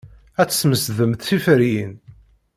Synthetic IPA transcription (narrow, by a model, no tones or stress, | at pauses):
æt͡sːsməsðəmθθifəɾjin